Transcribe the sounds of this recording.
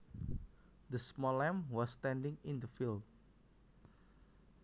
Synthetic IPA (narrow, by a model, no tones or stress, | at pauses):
d̪əsmɔlɛ̃mwɔsːtɛ̃ndɪ̃ŋɪ̃nd̪əfil